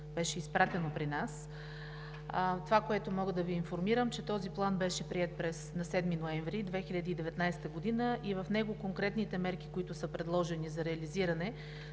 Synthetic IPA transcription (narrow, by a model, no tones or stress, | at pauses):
b̥ɛʃɛispɾat̪ɛnopɾinas | t̪ovakoɛt̪omɔɡəd̪ɐviːnfoɾmiɾəmt͡ʃɛt̪ɔziplˠanbɛʃɛpɾiɛt̪̚pɾɛsnɐsɛd̪minoɛɱvɾid̪vɛxilʲɐd̪iːd̪ɛvɛt̪najsɛ̥t̪əɡod̪inəʔivɐfnɛɡokoŋkɾɛt̪nit̪ɛmɛɾki̥koit̪ʊsəpɾɛd̪lˠɔʒɛnizɐɾɛɐliziɾɐnɛ